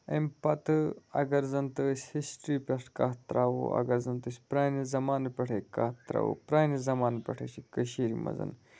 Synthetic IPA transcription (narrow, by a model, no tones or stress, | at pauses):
ɐmpɐt̪ɨɐ̰ɡɐɾzɐnt̪əsʲhisʈɾipʲɐʂʈkaːt̪ɾaːwo̰ɐ̰ɡɐɾzɐnt̪ɨsʲpɾaːnizɐmaːnpʲɐʈʰekaːt̪ɾa̰ːwo̰pɾaːnizɐmaːnpʲɐ̰ʈʰəsikəʃiːɾimɐ̰zɐ̰n